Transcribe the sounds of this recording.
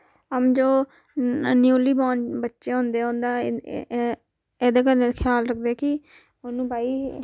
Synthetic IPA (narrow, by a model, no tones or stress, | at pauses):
əmd͡ʒoː | njuːliːbaːnbətːʃeːɦõːnd̪eːɦõːnd̪aː | eːd̪eːkəleːkʰɪjaːlɾək̚ʰd̪eɛːkɪ | ʊnũːbaːiː